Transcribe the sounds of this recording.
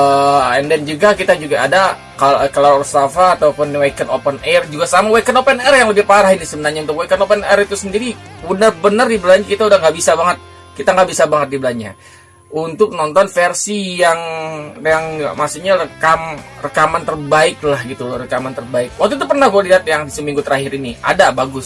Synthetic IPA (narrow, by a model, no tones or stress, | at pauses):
əɛndɛnd͡ʒuɡakit̪ad͡ʒuɡaada | kakalarst̪afaːt̪apʊnwekənopənɛrd͡ʒuɡasamawekənopənɛrjaŋləbɪhpaɾahinisəbənarɲaunt̪ʊkwɛkənopənɛɾit̪usəndiɾiənərbənərdibəlaɲakit̪audahŋɡaʔbisabaŋət̪̚ | kit̪aŋɡabisabaŋət̪̚dibəlaɲa̰ | unt̪ʊk̚nɔnt̪ɔnfɛrsijaŋjaŋmasuɲarəkamrəkamant̪ərbaɪk̚lahɡit̪ulrəkamant̪ərbaɪk̚wak̚t̪uit̪̬upərnahɡualiɦat̪̚jaŋisəmiŋɡut̪əɾaɦɪɾinia̰dabaɡʊs